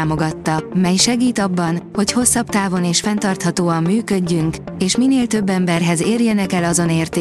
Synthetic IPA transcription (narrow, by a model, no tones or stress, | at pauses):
mo̞ɡɒt̪ːɒmɛjʃɛɡiːt̪ɒbːɒnho̞cho̞sːɒbt̪aːvo̞neːʃfɛnt̪ɒrt̪hɒt̪oːɒmːyːkø̞ɟːyŋkeːʃmineːlt̪ø̞bːɛmbɛrɦɛzeːrjɛnɛkɛlɒzo̞neːrt̪eː